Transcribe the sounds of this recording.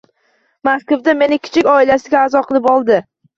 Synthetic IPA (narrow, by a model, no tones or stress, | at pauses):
maskovd̪ame̞nɪkʲʰɪ̥t͡ʃʰɪkʲɒɪlasɪɡʲaːzɒqʰɨlˠɪpɒlˠd̪ɪ